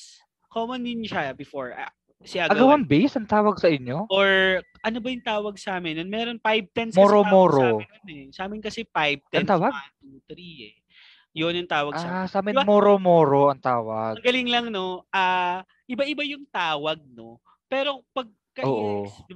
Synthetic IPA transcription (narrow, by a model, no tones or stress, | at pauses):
koːmɐnːɪnʃabɪfoɹa | sɪʔaɡɐɡɐwaŋbejsɐŋt̪aːwɐɡ̚sɐʔɪɲjoʔoɹ | ʔɐnobɐjʊŋt̪aːwɐɡ̚saːmɪnjonmɛːɾo̞npajb̚t̪ɛnsmoɾomoːɾojonɛsɐʔaːmɪnkɐsɛpajb̚t̪ɛɐnt̪aːwɐɡ̚at̪ut̪ɾiɛ | jonjʊŋt̪aːwɐɡsaɐsaːmɪbamoːɾomoːɾoʔɐŋt̪aːwɐɡɐɡɐlɪŋlɐŋno̞ʔaː | ʔɪbaʔɪbajʊŋt̪aːwɐɡ̚no̞ | pɛːɾo̞pɐɡ̚kɐʔoːʔod̪ɪ